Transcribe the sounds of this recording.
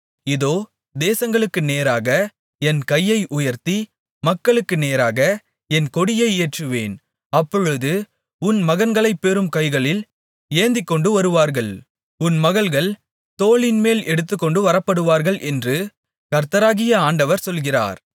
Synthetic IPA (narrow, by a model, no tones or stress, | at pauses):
ɪðoː | d̪eːsɐŋɡɐɭɯkːɯneːɾaːɣɐ | ɛnkɐjːɐɪʔʊjɐɾt̪i | mɐkːɐɭɯkːɯneːɾaːɣɐ | ɛnkɔɽɪjɐɪeːʈrɯʋḛːn | ɐpːɔɻɯðɯ | ʊnmɐɣɐnɡɐɭɐɪpːeːɾɯmkɐɪɣɐɭɪl | eːnd̪ɪkːɔɳɖɯʋɐɾɯʋaːɾɣɐɭ | ʊnmɐɣɐɭɣɐɭ | t̪oːɭɪnmeːlɛɽɯt̪ːɯkːɔɳɖɯʋɐɾɐpːɐɽɯʋaːɾɣɐɭʔɛndrɯ | kɐɾt̪ɐɾaːɣɪjɐaːɳɖɐʋɐɾsɔlɣɪra̰ːɾ